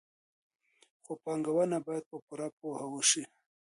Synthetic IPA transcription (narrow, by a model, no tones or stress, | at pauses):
xopɑŋɡawanabɑjad̪̚pəpuɾapohawəʃi